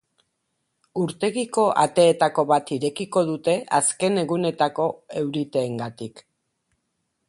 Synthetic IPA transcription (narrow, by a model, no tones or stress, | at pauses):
uɾt̪e̞ɣiko̞ʔa̰t̪e̞ːt̪ako̞βat̪iɾe̞kiko̞ð̞ut̪e̞ʔaske̞ne̞ɣune̞t̪ako̞e̞wɾit̪e̞ːŋɡat̪ik